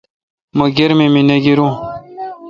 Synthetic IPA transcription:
məɡeɾmemineɡiɾũ

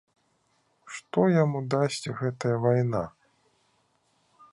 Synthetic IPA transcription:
ʂt̪ɔjamud̪asʲt͡sʲɣɛt̪ɐjɐvajna̰

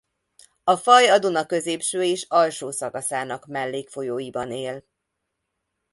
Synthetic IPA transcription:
ɒfɒjɒd̪onɒkøzeːpʃøːeːʃɒlʃoːsɒkɒsaːnɒkmɛlːeːkfo̞joːjibɒneːl

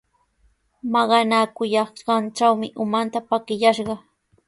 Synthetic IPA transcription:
mɑɢɑnakʊjɑχɢɑnt͡ʃawmɪʔʊmant̪apakɪjaʃɢɑ

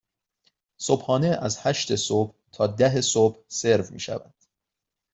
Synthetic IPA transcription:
sob̥hɒːne̞ʔæzhæʃt̪ʰe̞sob̥ | t̪ʰɒːd̪æɦesob̥hse̞ɾvmḭːʃæ̰væ̰nd̪̥

